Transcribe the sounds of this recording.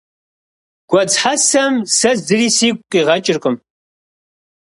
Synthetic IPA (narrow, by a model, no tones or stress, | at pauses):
ɡ̥ʷɐd͡zħasɐmsɐzzɨriːsiːkʷʼqʼiːʁɐt͡ʃʼɪrqʼəm